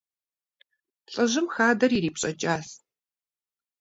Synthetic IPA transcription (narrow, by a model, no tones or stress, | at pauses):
ɬʼɨʑɪmxaːdɐriɾiːpɕʼɐt͡ʃʼaːs